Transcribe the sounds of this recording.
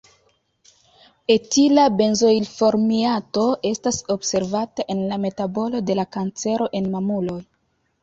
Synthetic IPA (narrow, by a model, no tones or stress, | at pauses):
e̞tilabe̞nzo̞jlfo̞ɾmiato̞ʔe̞staso̞bse̞ɾvataʔe̞nlame̞tabo̞lo̞de̞lakant͡se̞ɾo̞ʔe̞nmamulo̞j